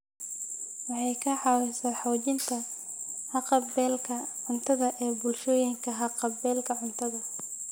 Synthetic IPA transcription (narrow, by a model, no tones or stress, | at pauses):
wɑħɑjkʰɐħɑwɛsaːħɑwt͡ʃɪnt̪ʰɐ | hɑqɑbɛːlkʰɐʕʊnt̪ʰɐðɐʔɛːbʊlʃɔːjɪŋkʰɐɦɐqɑbɛːlkʰɐʕʊnt̪ʰɐðɐ